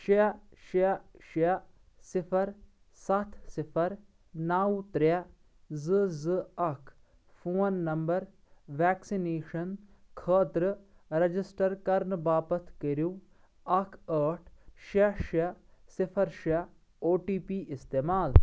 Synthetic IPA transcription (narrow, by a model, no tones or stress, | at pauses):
ʃaʃaʃa | sɪpʰɐɾ | sɐt̪ʰsɪpʰɐɾ | naːut̪ɾa | zɨzɨɐkʰ | fʰoːnːɐmbɐɾ | ʋɛːksineːʂɐnkʰəːt̪ɾɨ | ɾɐd͡ʒɪsʈɐɾkɐɾnbaːpɐt̪ʰkəɾjũ | ɐkʰəːʈʰʃaʃɐsɪpʰɐɾʃa | oːʈiːpiːʔɪst̪eːmaːl